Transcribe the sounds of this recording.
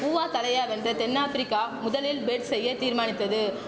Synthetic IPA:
uːʋaːt̪ɐlɐjaːʋɛndrɐt̪ɛnːaːfɪɾɪkːaːmʊðɐlɪlbeːʈsɛjːɐt̪iːɾmaːnɪt̪ːɐðɯ

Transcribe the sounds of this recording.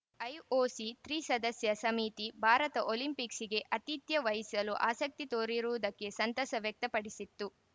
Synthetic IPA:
ɐjoːsit̪ɾiːsɐd̪ɐsjɐsɐmit̪ibʱaːɾɐt̪ɐʔoːlimpiksiɡe̞ʔɐt̪it̪jɐʋɐɦisɐluʔa̰ːsɐk̚t̪it̪oːɾiɾuʋud̪ɐkːe̞sɐnt̪ɐsɐʋjɐk̚t̪ɐpɐɽisit̪ːu

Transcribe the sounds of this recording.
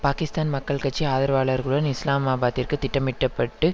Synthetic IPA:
paːkɪst̪aːnmɐkːɐɭkɐʈt͡ʃːiaːðɐɾʋaːlɐɾɣɯɭɐnɪslaːmaːbaːt̪ɪrkɯt̪ɪʈːɐmɪʈːɐpːɐʈːɯ

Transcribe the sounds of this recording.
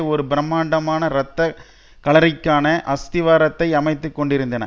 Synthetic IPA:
ɔɾɯbɪɾɐmːaːɳɖɐmaːnɐɾɐt̪ːɐ | kɐɭɐɾɪkːaːnɐʔɐst̪ɪʋaːɾɐt̪ːɐɪɐmɐɪt̪ːɯkːɔɳɖɪɾɯnd̪ɐnɐ̰

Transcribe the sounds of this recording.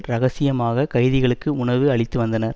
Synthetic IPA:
ɾɐɣɐsɪjɐmaːɣɐkɐɪðɪɣɐɭɯkːɯʊɳɐʋɯɐɭɪt̪ːɯʋɐnd̪ɐnɐɾ

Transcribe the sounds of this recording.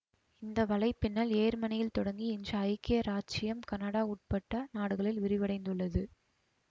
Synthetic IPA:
ɪnd̪ɐʋɐlɐɪpːɪnːɐɭeːɾmɐnɐjɪlt̪ɔɽɐŋɡiɪnd͡ʒrɐːjkːɪjɐɾaːt͡ʃɪjɐmkɐnɐɽaːuʈ̚pɐʈːɐnaːɽɯɣɐɭɪlʋɪɾɪʋɐɽɐɪnd̪ɯɭːɐðɯ

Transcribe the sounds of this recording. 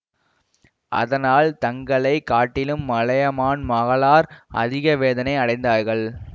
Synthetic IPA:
ʔɐ̰ðɐnaːlt̪ɐŋɡɐɭɐɪkːaːʈːɪlɯmːɐɭɐjɐmaːnmɐɣɐɭaːɾʔɐ̰ðɪɣɐʋeːðɐnɐɪɐɽɐɪnd̪aːɾɣɐɭ

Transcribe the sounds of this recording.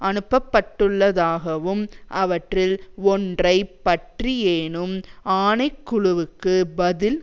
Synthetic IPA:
ɐnɯpːɐpːɐʈːɯɭːɐðaːɣɐʋɯmʔɐʋɐʈrɪlɔndrɐɪpːɐʈrijeːnɯmaːnɐɪkːʊɻʊʋɯkːɯbɐðɪl

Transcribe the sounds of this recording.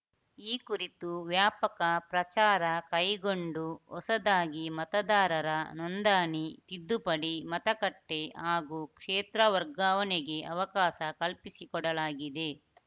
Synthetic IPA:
iːkuɾit̪uʋjaːpɐkɐpɾɐt͡ʃaːɾɐkɐjɡoɳɖuɔsɐd̪aːɡimɐt̪ɐd̪aːɾɐɾɐnɔnd̪aːnit̪id̪ːupɐɽimɐt̪ɐkɐʈːe̞ɦaːɡuːkʂeːt̪ɾɐʋɐɾɡaːʋɐneɡe̞ʔɐʋɐkaːʃɐkɐlpisikɔɽɐlaːɡid̪e̞

